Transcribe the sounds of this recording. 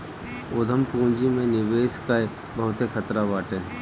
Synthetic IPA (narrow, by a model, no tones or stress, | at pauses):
ʊd̪ʱəmpũːnd͡ʒimẽnɪʋeːʃkae | bɐɦʊt̪ekʰət̪ɾaʋaːʈẽː